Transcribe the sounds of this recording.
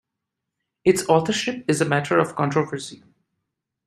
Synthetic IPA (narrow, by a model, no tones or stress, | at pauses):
ɪtsɔːθəɹʃɪpɪzəmæʈʰəɹʌv̥kɔ̃nʈɹəvəɹsi